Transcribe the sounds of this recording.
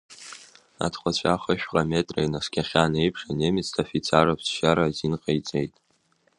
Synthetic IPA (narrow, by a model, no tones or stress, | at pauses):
a̰tʰqʷʼat͡ɕʷʰaχaʃᶣqʼame̞tʼrajnaskʲʰaχʲanejpʰʂanemɪt͡sʰtʰafit͡sʰarapʰsʃaɾazinqʼejt͡sʼejtʼ